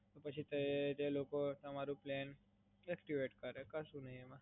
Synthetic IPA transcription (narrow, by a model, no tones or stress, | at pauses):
t̪opət͡ɕʰit̪əet̪elokot̪əmaɾũplen | ɛkʈiʋeʈkəɾekəsũnəɦiemã